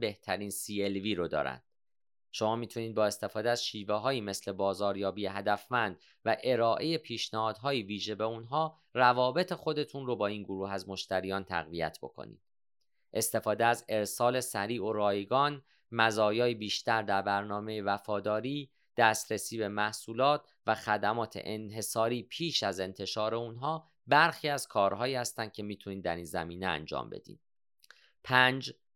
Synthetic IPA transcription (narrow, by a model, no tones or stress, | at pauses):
be̞ht̪ʰæɾiːnsiːelviːɾod̪ɒ̰ːɾæ̰nd̪̥ | ʃo̞mɒːmiːt̪ʰuniːd̪̚bɒːe̞st̪e̞fɒːd̪eæzʃiːveɦɒːjiːme̞sle̞bɒːzɒːɾjɒːbiːje̞ɦæd̪æfmænd̪̥ | væʔe̞ɾɒːʔe̞je̞pʰiːʃnæhɒːd̪̥ɦɒːjiviːʒe̞be̞unɦɒː | rævɒːbe̞t̪ʰe̞xo̞d̪e̞t̪ʰunrobɒːiːnɡoɾuːɦæzmo̞ʃt̪æɾijɒːnt̪ʰæ̰ɣvijæ̰t̪ʰbo̞̰kʰo̰nḭːd̪̥̚ | ʔe̞st̪e̞fɒːd̪eæze̞ɾsɒːle̞sæɾiːʔoɾɒːjeɡɒːn | mæzɒːjɒːjibiːʃt̪æɾd̪æɾbæɾnɒːme̞jevæfɒːd̪ɒːɾiː | d̪̥æːst̪ɾesiːbe̞mæhsuːlɒːt̪̚ʰ | væxæd̪æmɒːt̪ʰḛʔenɦe̞sɒːɾiːpʰiːʃæze̞nt̪ʰe̞ʃɒːɾe̞unɦɒː | bæɾxiːæz̥kʰɒːɾɦɒːjiːhæst̪ænd̪̚cʰe̞miːt̪ʰuniːd̪d̪æ̰ɾiːnzæ̰miːneæ̰nd͡ʒɒ̰ːmbe̞̰d̪ḭːd̪̥ | pʰænd͡ʒ